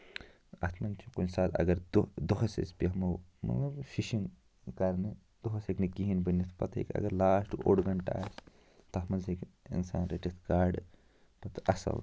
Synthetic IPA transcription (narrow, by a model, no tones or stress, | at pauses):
ɐt̪ʰmɐnt͡ʃʰukonsaːt̪ɐ̰ɡɐɾd̪d̪oɦɐsḛspiɦɐmɐwmɐ̰t̪lɐbʃiʃiŋ | kɐɾne | d̪̥oɦɐseknikiɦinbɐnit̪ʰpɐt̪ʰḛkʲɐ̰ɡɐɾlaːsʈoɽɡɐɳʈa̰ːs | t̪ɐt̪ʰmɐnsekḭnsa̰ːnɾeʈit̪ʰkaːɾɖ | pɐt̪ʰʔɐsɐ̰w